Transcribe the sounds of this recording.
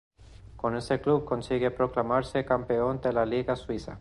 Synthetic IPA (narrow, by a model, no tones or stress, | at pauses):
koneseklub̚konsiɣepɾoklamaɾsekampeond̪elaliɣaswisa̰